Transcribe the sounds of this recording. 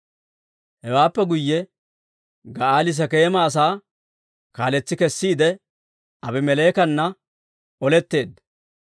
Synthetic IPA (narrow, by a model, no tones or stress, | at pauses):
hɛwaːpːɛɡʊjːɛ | ɡɐaːlɪs̬ɐkeːmaːs̬aː | kaːlɛt͡sːɪkɛsːiːd̪ɛ | ʔɐbɛmɛleːkɐnːɐ | ʔɔlɛt̪ːe̞ːd̪